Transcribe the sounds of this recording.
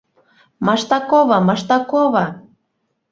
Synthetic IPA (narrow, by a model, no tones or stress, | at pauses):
mɑʃt̪ɑkoβɑmɑʃt̪ɑkoβɑ